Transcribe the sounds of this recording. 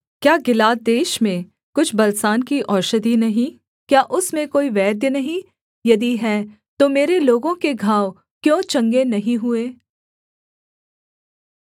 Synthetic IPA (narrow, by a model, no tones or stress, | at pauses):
kjaːɡɪlaːt̪̚d̪eːʃmẽ | kʊt͡ʃʰbɐlsaːnkiʔɔːɾʃəd̪inɐɦĩ | kjaːʔʊsmẽkoːiʋɛːd̪jənɐɦĩ | jɐd̪iɦɛː | t̪omeːɾeloːɡõkeɡʱaːw | kjõːt͡ʃɐ̃ŋɡenɐɦĩɦʊeː